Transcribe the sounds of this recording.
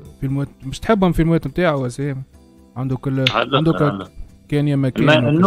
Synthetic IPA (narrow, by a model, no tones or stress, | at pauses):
filmæːt̪̚mɪʃt̪ħɪbːhʊmfilmwæːt̪mt̪aːʕawæseːm | ʕand̪ʊkʊlːand̪ʊkkɛːnjæmːækæːn